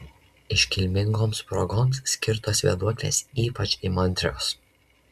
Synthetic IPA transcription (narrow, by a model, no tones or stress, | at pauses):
ɪʃʲkʲɪlʲmʲɪŋɡoːmspɾɔɡoːmssʲkʲɪɾt̪oːsʋʲiɛd̪uɔkʲlʲḛːsiːpɐt͡ʃʲimɔnʲt̪ʲɾʲoːs